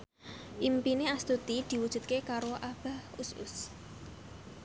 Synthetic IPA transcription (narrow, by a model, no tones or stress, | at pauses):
ʔimpineast̪ut̪id̪̥i̤wud̥ʒ̥ṳt̪̚kekaɾoʔab̥a̤husʊ̰s